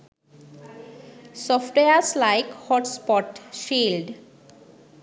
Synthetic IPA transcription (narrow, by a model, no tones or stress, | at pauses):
sɔfʈweəslaɪkhɔʈspɔʈʃilɖ